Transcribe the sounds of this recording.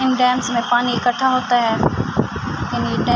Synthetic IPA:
ɪnɖɛːmsmẽpaːniɪkɐʈʰːaɦoːt̪aɦɛː | jaːniɖɛː

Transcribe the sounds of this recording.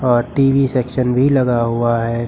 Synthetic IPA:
ɔːɾʈiːʋiseːkʃənbʱilɐɡaɦuaɦɛː

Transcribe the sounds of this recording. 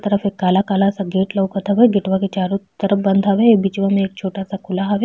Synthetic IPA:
t̪ɐɾəfeːkːaːlakaːlasaɡeːʈlɐwkɐɾt̪aʋeɡɪʈʋaket͡ʃaːɾot̪ɐɾəfbɐ̃nd̪ʱaʋebit͡ʃʋamẽeːk̚t͡ʃʰoːʈasakʰʊlaɦɐʋe

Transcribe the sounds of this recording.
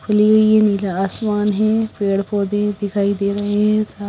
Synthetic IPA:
kʰʊlioiẽniːlaaːsmaːnɦɛ̃peːɽpoːd̪ẽd̪ɪkʰaːid̪eːɾɐɦeɦɛ̃saː

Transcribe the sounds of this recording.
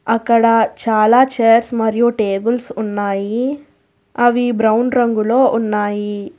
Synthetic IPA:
ɐkːɐɽɐt͡ʃaːlaːt͡ʃejɐɾsmɐɾijuʈeːbulsunːaːji | ɐʋibɾɐwnɾɐŋɡulo̞ːʔunːaːji

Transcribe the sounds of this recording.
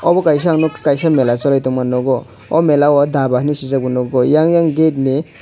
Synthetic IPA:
ɔbɔkajs̬aŋnɔkajsamelat͡ʃɔlajtɔmanɔɡɔ | ɔmelawɔd̪abaknisizabɔnɔɡɔjaŋjaŋɡet̚ni

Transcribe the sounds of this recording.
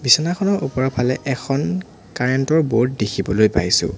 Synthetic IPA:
bisɔnaxʰɔnɔɹʔupɔɹapʰalɛʔɛkʰɔn | kaɹɛntɔɹbot̚dexʰibɔlojpa̰jsʊ̰̃

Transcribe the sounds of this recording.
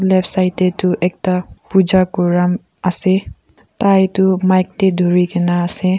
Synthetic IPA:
lebʰsajt̪et̪uʔek̚t̪apud͡ʒakuɾam | ase | t̪ajt̪umajk̚t̪ed̪ʱuɾikenaːse

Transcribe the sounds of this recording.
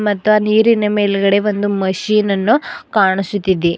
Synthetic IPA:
mɐt̪ːʋɐniːɾinɐmeːlɛɡɐɽe̞ʋo̞nd̪umɐʃiːnɐnːukaːɳisut̪ːid̪e

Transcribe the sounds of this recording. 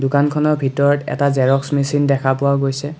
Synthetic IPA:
dʊkankʰɔnɔɹbʱitɔɹɔtɛ̰tazɛɹɔksmisindɛkʰapʊwaɡojsɛ

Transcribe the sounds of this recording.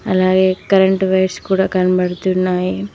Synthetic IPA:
ɐ̰laːɡeːkɐɾɐɳʈʋɐjʈskuːɽaːkɐnɐbɐɽɐt̪unːaːji

